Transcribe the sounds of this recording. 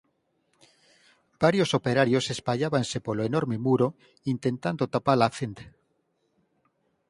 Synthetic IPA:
b̥aɾjosopeɾaɾjosespaʎaβansepoloenoɾmemuɾo | int̪ent̪and̪ot̪apalaθent̪e̥

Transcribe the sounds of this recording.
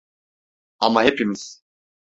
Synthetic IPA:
amaɦepʰimiz̥

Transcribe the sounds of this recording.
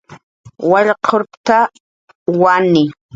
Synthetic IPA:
waʎqʰoɾpt̪a | wanɪ

